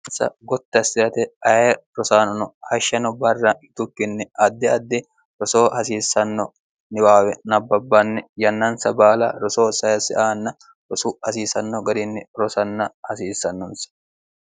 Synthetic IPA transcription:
sɐ̰ɡɔt̪ːɛɐsɪɾɐt̪ɛʔɐjeɾɔsaːnɐnɔhɐʃːɐnɔbɐrːɐɪt̪ʊkːɪnːɛʔɐd̪ːɛɐd̪ːɪ | ɾɔsoːhɐsiːsːɐnːɔ | nɪwaːwɛnɐbːɐbːɐnːɛjɐnːɐnsɐbaːlɐɾɔsoːsɐjɐsɪʔaːnːɐ | ɾɔsʊhɐsiːsɐnːɔɡɐd̪ɪnːɛɾɔsɐnːɐhɐsiːsːɐnːɔnsɐ̥

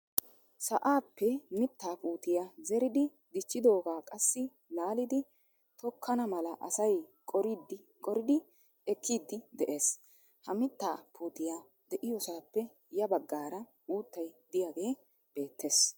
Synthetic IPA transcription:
sɐʔaːpːɛmɪt̪ːaːpuːt̪ɪjazɛɾɪd̪ɪ | d̪ɪt͡ʃːɪd̪o̞ːɡaːkʼɐsːɪ | laːlɪd̪ɪ | t̪ɔkʰːɐnɐmɐlɐʔɐsɐjkʼɔɾɪd̪ɪ | kʼɔɾɪd̪ɪ | ɛkʰːiːd̪ːɪd̪ɛʔe̞ːs | hɐmɪt̪ːaːpʰuːt̪ɪja | d̪ɛʔɪjɔsaːpːɛ | jɐbɐɡːaːɾɐ | uːt̪ːɐjd̪ɪjaɡe̞ː | b̥e̞ːt̪ʰːe̞ːs

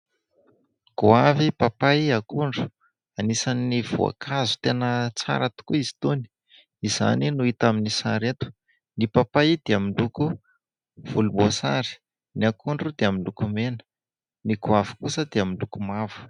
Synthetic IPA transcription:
ɡ̥uavipapaakuɳɖ͡ʐu̥ | anisaniniv̥o̰a̰kʰazu̥t̪enət͡sa̰ɾat̪u̥kuizi̥t̪uni̥ | iza̰ninuit̪aminisaɾet̪u̥ | nipapajid̪̥eamiɳluku | v̥ulumosa̰ɾi̥ | niakuɳɖ͡ʐud̪eamiɳukumenə̥ | niɡuavi̥kusəd̪eaminɖ͡ʐukumavu̥

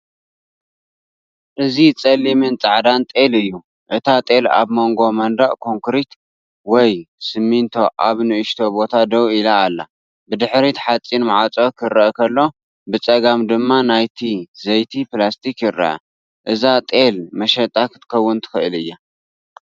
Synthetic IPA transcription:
ʔɨzit͡sʼɐlːimɨnt͡sʼaʕd̪ant̪ʼe̞lɨjːu | ʔɨt̪ʰat̪ʼe̞la̰βmo̞ŋɡo̞mɐnd̪aʔkʰo̞ŋkɾit̪ | wɔjsɨmːint̪ʰo̞ʔaβnɨʔɨʃt̪ʰo̞bo̞t̪ʰad̪ɐwilaːlːa | bɨd̪ɨħɾit̪ħat͡sʼːinmaʕat͡sʼo̞kʰɨɾɐʔkʰɐlːo̞ | bɨt͡sʼɐɡamd̪ɨmːanajt̪ʰizɐjt̪ʰiplast̪ʰikjɪɾɐ̰ʔɐ̰ | ʔɨzat̪ʼe̞lmɐʃɐt̪ʼakʰɨt̪ʰɨ̥kʰɐwːʊnt̪ʰɨ̥xɨʔɨlɨjːa

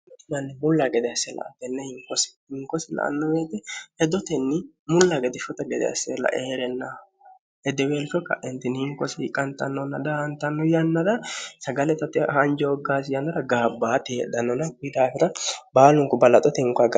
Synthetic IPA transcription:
t̪ːɪnɐnːɪmʊlːaɡɛd̪ɛɐsːɛlɐ̰ʔɐ̰t̪ːɛnːɛhɪŋkɔsɪ̥hɪŋkɔsɪlɐ̰ʔɐ̰nːɔmeːt̪ɪhɛd̪ɔt̪ɛnːɪ | mʊlːaɡɛd̪ɛʃɔt̪ɐɡɛd̪ɛ̰ɐ̰sɛlɐ̰ʔeːɾɛnːa | ɛd̪ɛweːlfɔkɐ̰ʔɛnt̪ɪnhɪŋkɔsɪɪkʼːɐnt̪ɐnːɔnɐd̪ɐhɐnt̪ɐnːɔjɐnːɐd̪ɐsɐɡɐlɛt̪ɐt̪ːɪɐnd͡ʒɔːɡːaːs̬ɪjɐnːɐd̪ɐɡaːbːaːt̪ɪɛᶑ̪ɐnɔnɐkɪd̪aːfɪɾɐbaːlʊŋkʊbɐlɐt̪ʼɔt̪ɛɪŋkaɡ

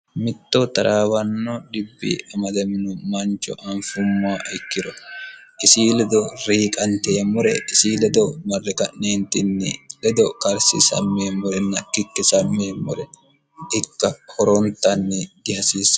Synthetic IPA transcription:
mɪt̪ːɔt̪ɐɾaːwɐnːɔd̪ɪbːḭɐmɐd̪ɛmɪnʊmɐnt͡ʃːɔ̰ʔɐɱfʊmːaːʔɪkːɪɾɔʔɪsiːlɛd̪ɔɾiːkʼɐnt̪eːmʊɾɛ̰ɪsiːlɛd̪ɔmɐrːɛkɐʔneːnt̪ɪnːɪlɛd̪ɔkɐɾsɪ̰sɐ̰mːeːmːʊɾɛnːɐkːɪkːɪsɐmːeːmːʊɾɛ | ɪkːɐhɔɾɔnt̪ːɐnːɪd̪̥ɪhɐsiːs

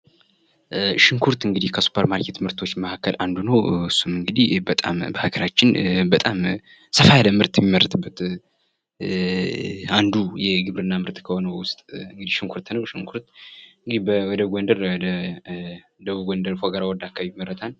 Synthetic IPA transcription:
ʃɪŋkʰuɾt̪ɨŋɡɨd̪ihkʰəsu̥pʰːəɾmalket̪ʰɨmɨɾt̪ʰo̞t͡ʃːməhakʰːəlʔand̪unəwɨsːumɨŋɡɨd̪ihbət̪ʼa̰mbəhaɡəɾat͡ʃːɪnbət̪ʼam | səfajaləmɨɾt̪ʼjɛmiməɾːət̪ʰɨbːət̪ | and̪ujɛɡɨβɾɨnːamɨɾt̪ʼkʰəho̞nəwʊst̪ʼɨŋɡɨd̪ihʃɪŋkʰuɾt̪nəwʃɪŋkʰuɾt̪ɨŋɡɨd̪ibəwɔd̪əɡʷɔnd̪əɾwɔd̪ə | d̪əβuɡʷɔnd̪əɾfoɡəɾawɔd̪akʰːaβibimːəɾːət̪ʰal

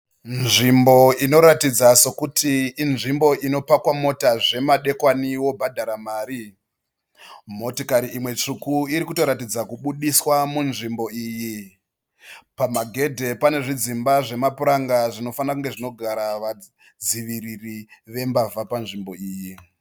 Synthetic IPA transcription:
nʐimbo̞ino̞ɾatid͡zaso̞kutʰiːnʐimbo̞ʔino̞pakwamo̞taʐe̞maɗe̞kwaniwo̞bʱadʱaɾamaːɾi | mo̞tokaɾiimwe̞t͡ʂukuiɾikuto̞ɾatid͡zakuɓuɗiswamunʐimbo̞iːji | pamaɡʱe̞dʱe̞pane̞ʐid͡zimbaʐe̞mapuɾaŋɡaʐino̞fanakuŋɡeʐino̞ɡʱaɾaʋa | d͡ziʋiririʋe̞mbavʱapanʐimbo̞iːji

